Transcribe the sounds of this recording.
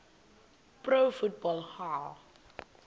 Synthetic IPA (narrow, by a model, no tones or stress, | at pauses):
prowfut̚bɔlˠhal